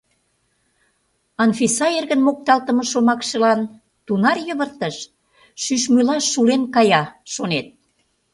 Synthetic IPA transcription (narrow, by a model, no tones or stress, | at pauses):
ɑnfisɑerɣənmok̚t̪ɑlt̪ə̆mɤ̆ʃomɑkʃə̆lɑn | t̪unɑrjə̆βərt̪əʃ | ʃyʃmylɑʃulenkɑjɑʃonet̪̚